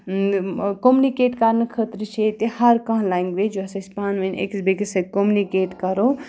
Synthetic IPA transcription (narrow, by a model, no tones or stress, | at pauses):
komunikeːʈkaɾnɨkʰət̪ɾət͡ʃʰet̪ehɐɾkɐ̃ɦlaiŋɡʋed͡ʒoɐsɐsʲpaːnʋɐnḛksbekisɐkomunikeːʈkɐɾo